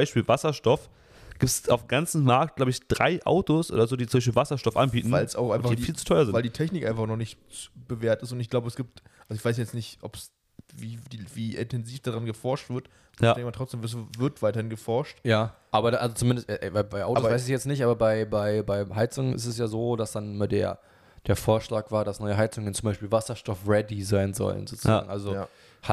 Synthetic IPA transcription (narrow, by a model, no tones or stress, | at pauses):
aɪʃpiːlvasɐʃtɔf | ɡ̥iːpsaʊfɡant͡sn̩maɐk̚t̚ɡ̥laʊbəɪçd̥ʁa̰ɪʔa̰ʊtosʔo̰ːdɐzoːdiːt͡sʊmbaɪʃ̬piːlvasɐʃtɔfʔa̰nbiːtn̩vaɪlsʔaʊxʔaɪnfadifiːlt͡su̥tʰɔʏɐzɪnvaɪldiːtʰɛçnɪkʔa̰ɪnfaχnɔχnɪçt | t͡subəveːɐtɪstʊntɪçɡ̥laʊbəɛsɡ̥iːp̚tʔalzoɪçv̥aɪs̬jajɛt͡snɪçtʔɔps | viːdiviːʔɪ̰ntʰɛnziːfd̥aːʁanɡəfɔɐʃtv̥ɪɐt | jaɛŋkmaɐtʁɔt͡sd̥eːmsvɪɐtv̥aɪtɐhɪnɡəfɔɐʃtjaːʔaːbɐʔalzot͡sʊmɪndəstʔɛʔɛaɪbaɪʔaʊtːosvaɪsɪçjɛt͡stnɪçtʔaːbɐbaɪbaɪbaɪɦaɪt͡sʊŋənʔɪ̰stɛsjaːzoːd̥asd̥anɪmɐdḛːɐ | d̥eːɐfoːɐʃlaːkv̥aːɐdasnɔʏəɦaɪt͡sʊŋənt͡sʊmbaɪʃpiːlvasɐʃtɔfʁɛdizaɪnzɔ̰lə̰nzoːt͡suza̰ːɡŋ̩ʔalzoja | ha